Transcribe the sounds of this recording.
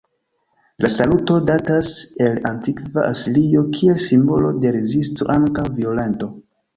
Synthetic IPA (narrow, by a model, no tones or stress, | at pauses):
lʔasaluto̞datase̞lantikvaʔasilio̞kʰie̞lsimbo̞lo̞de̞ɾe̞zisto̰ʔaŋkawvio̞le̞nto̞